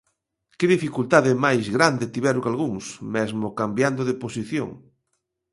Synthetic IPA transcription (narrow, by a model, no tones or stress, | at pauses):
kɪðifikult̪aðɪmajzɣɾand̪et̪iβɛɾokalɣuŋsmɛzmokambjand̪oðeposiθjo̰ŋ